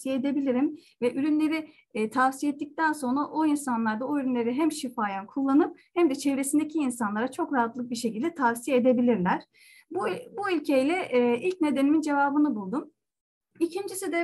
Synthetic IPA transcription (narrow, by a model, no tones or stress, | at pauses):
sijeed̪e̞bilʲiɾim | vɛʔyɾynlʲe̞ɾi | t̪ʰafsijɛt̪ːic̚t̪anso̞nɾaʔo̞insanlˠaɾd̪aoyɾynlʲe̞ɾiɦæmʃifaːjankʰulˠːanɯp̚hæmd̪ɛt͡ʃʰe̞vɾe̞sind̪ecʰiːnsanlˠaɾat͡ʃʰo̞kɾaɦat̪lˠɯk̚biʃe̞cʰilʲd̪ɛt̪ʰafsijeed̪e̞bilʲiɾlʲæɾ̥ | bbuylʲcʰejlʲɛʔʔilʲc̚ne̞d̪enimind͡ʒe̞vaːbɯnɯbulˠd̪um | icʰind͡ʒisid̪ɛ